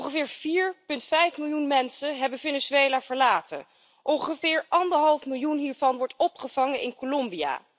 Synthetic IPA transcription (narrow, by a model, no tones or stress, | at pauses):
χəvɪːɹv̥iːɹpɵntfɛjfmɪlˠjunmɛnsənɦɛbənvenɪzejlaːv̥əɹlaːtə̰n | ʔɔŋχəvɪːɹʔɑndəɹɦɑlˠfmɪlˠjunɦiːɹvɑnʋɔɹtɔpχəv̥ɑŋənʔɪ̰nkolɔmbija̰ː